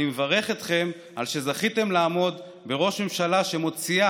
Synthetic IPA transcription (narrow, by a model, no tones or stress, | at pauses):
imevaʁe̞χet̪χe̞m | alʃe̞zaχit̪e̞mlaːmo̞d̪ | be̞ʁo̞ʃme̞mʃalaʃe̞mo̞t͡sia